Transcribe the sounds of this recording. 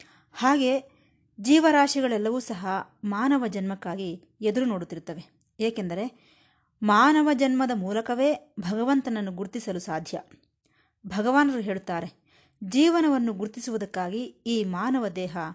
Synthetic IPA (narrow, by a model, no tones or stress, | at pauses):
haːɡe̞ː | d͡ʒiːʋɐɾaːʂiɡɐɭɛlːɐʋuːsɐɦɐmaːnɐʋɐd͡ʒɐnmɐkːaːɡi | ed̪uɾuno̞ːɽut̪ːiɾut̪ːɐʋe̞ | eːke̞nd̪ɐɾe̞ | maːnɐʋɐd͡ʒɐnmɐd̪ɐmuːlɐkɐʋe̞ːbʱɐɡɐʋɐnt̪ɐnɐnːuɡuɾt̪isɐlusaːd̪ʱjɐ̰ | bʱɐɡɐʋaːnɐɾuɦe̞ːɭut̪ːaːɾe̞ | d͡ʒiːʋɐnɐʋɐnːuɡuɾt̪isuʋud̪ɐkːaːɡiiːmaːnɐʋɐd̪ɛːɦɐ